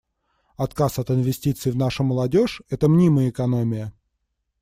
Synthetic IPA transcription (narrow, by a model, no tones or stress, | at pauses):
ɐt̪kasɐt̪ɪnvʲɪsʲtʲit̪sɨɪvnaʂəməlˠɐdʲoʂɛt̪əmnʲiməjəɪkɐnomʲɪjə